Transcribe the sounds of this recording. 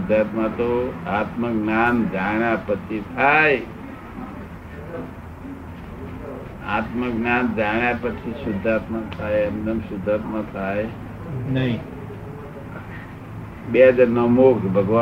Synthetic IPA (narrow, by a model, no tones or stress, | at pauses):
d̪ʱːat̪mãt̪oat̪məknaːnd̪ʱãjapət͡ʃʰit̪ʰae | a̰t̪məknaːnd̪ʱaɳjapət͡ʃʰisʊd̪ʱːaːt̪mãt̪ʰaeɛmd̪əmsʊd̪ʱːaːt̪mãt̪ʰae | nəĩ | ɓeɦəd͡ʒaɾnəmokʰbʱəɡʋa